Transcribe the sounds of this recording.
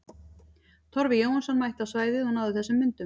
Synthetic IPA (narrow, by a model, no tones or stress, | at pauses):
t̪ʰɔɾvɪjoːwansɔnmajht̪awsvaːjðɪɔnawðɪθɛsːʏmːɪnt̪ʏ